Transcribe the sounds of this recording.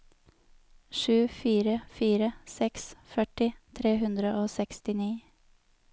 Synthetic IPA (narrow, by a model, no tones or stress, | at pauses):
ʃʉːfiːɾəfiːɾəsɛksfœʈɪt̪ʰɾeːhʉnd̪ɾəʔoːsɛkst̪ɪniː